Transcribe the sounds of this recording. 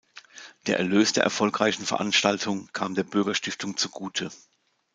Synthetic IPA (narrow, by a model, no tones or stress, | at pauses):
d̥eːɐʔɛɐløːsd̥eːɐɛ̰ɐfɔlkʁ̥aɪçn̩fɛɐʔanʃtaltʰʊŋkʰaːmdeːɐbʏɐɡɐʃtɪftʰʊŋt͡suɡuːtʰə